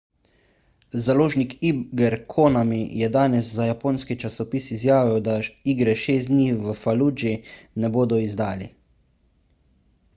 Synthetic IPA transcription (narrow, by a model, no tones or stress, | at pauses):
zaloːʒnikibɡɛɾkʰoːnamijɛd̪aːnɛszajapoːnskit͡ʃasɔpiːsizjaːʋiɛwd̪aiːɡɾɛʃeːstd̪niʋəfaluːd͡ʒinɛboːd̪ɔizd̪aːlḭ